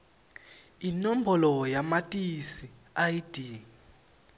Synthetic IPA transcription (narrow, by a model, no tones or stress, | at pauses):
inɔm̩bɔlɔjamatʼisi | ajid̥ʱiː